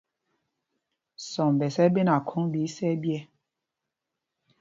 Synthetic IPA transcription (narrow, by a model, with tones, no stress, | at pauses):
sɔ˨mbɛ˨sɛ˦be˦na˨kʰo˦ŋbi˨˦sɛ˦bjɛ˦